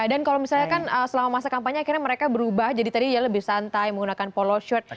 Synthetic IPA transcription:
dankalomisalɲakanəsəlamamasakampaɲaːkirɲaməɾekabəɾubahd͡ʒadit̪adijaləbɪhsant̪ajməŋɡunakanpoloʃɔt̪̚

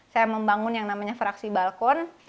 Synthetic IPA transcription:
sajaməmbaŋʊnjaŋnamaɲafɾaksibalkɔn

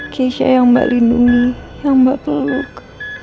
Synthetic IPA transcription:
kʰeʃa̰jaŋba̰ʔlinduŋijaŋmbaʔpəlʊk

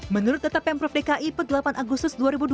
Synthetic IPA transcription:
mənuɾʊt̪̚d̪ət̪apɛmpɾɔfdekaʔipərdəlapanʔaɡʊst̪ʊsduaɾibud

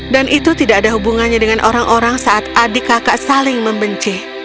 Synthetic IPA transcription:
danʔit̪ut̪idaʔadaɦubuŋanɲadəŋanʔoɾaŋʔoɾaŋsaʔat̪ʔadikakaʔsalɪŋməmbəɲt͡ʃɪh

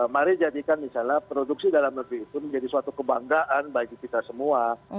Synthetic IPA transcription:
maɾid͡ʒadikanmisalnapɾoduksidalamnəbiːt̪uməɲd͡ʒadisuwat̪ukəbaŋɡaʔanbaɡikit̪asəmua

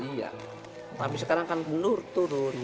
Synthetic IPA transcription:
ia̰ | t̪apisəkaɾaŋkanbənurt̪uɾʊn

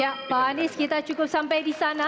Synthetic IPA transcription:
aʔpanɪskit̪at͡ʃukʊp̚sampajdisana

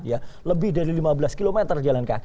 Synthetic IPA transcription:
njaləbɪhdaɾilimabəlaskilomɛt̪ərd͡ʒalanka̰k

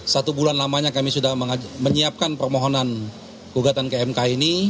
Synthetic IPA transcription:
sat̪ubulanlamaɲakamisudahməŋaməɲiap̚kanpərmoɦonan | kuɡat̪ankeɛmkaini

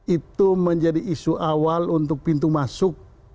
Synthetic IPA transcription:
it̪uməɲd͡ʒadiʔːsuʔawalunt̪ʊk̚pint̪̬umasʊk̚

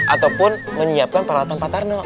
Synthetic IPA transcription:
ʔat̪awpʊnməɲiap̚kanpəɾawat̪anpant̪arnɔ

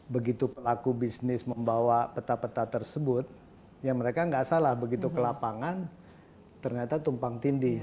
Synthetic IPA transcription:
bəɡit̪upəlakubisnɪsməmbawapət̪apət̪at̪ərsəbʊt̪̚ | jaŋməɾekaŋɡasalahbəɡit̪ukəlapaŋan | t̪ərɲat̪at̪umpaŋt̪indi

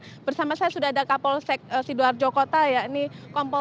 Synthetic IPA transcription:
bərsamasajasudaɦadakapɔlsɛk̚əsiduard͡ʒokot̪ajainikɔmpɔ

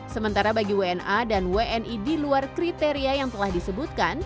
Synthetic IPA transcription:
səmənt̪aɾabaɡiweɛnʔadanweʔɛnʔidiluarkɾit̪eɾiajaŋt̪əlahdisəbut̪̚kan

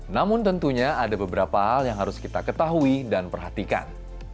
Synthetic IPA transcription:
namʊnt̪ənt̪uɲaadabəbəɾapaɦaljaŋɦaɾʊskit̪akət̪aɦuidanpərɦat̪ika̰n

